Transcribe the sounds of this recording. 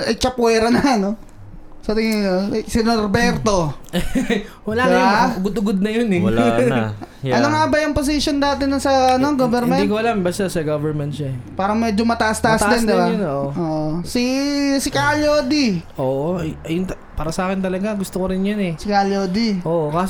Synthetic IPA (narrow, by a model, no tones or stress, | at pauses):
ʔɐt͡ʃɐpwɛːɾɐnɐɐno̞ | sɐt̪ɪŋɪnosɪnoɾbɛɾt̪o̞ | wɐlaːd̪jaʊɡʊd̪ʊɡod̪̚nɐjonɛ | ʔɐnoŋaːbɐjʊŋpos̬ɪʃond̪aːt̪ɛnɐŋsɐɐno̞ɡoːvɛɾmɛnd̪ikoʔɐlambast̪asɐɡovɛɾmɛnt̪̚ʃaɛpaːɾɐŋmɛːd͡ʒomɐt̪ɐʔast̪ɐʔasd̪ɪnd̪ɪbanoːʔʔoːʔosisɪkaloːd̪iʔoːʔoɐɐjʊŋt̪ | paːɾɐsaːkɪnt̪ɐlɐɡaɡʊst̪okoɾɪnjɐnɛsɪkaloːd̪iʔoːʔokas